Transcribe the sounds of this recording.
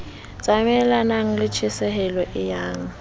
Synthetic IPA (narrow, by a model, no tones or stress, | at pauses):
d͡z̥ʱʼamɛlanaŋ̩lɪt͡ʃʰɪsɛɦɛlɔʔɪjaːŋ̩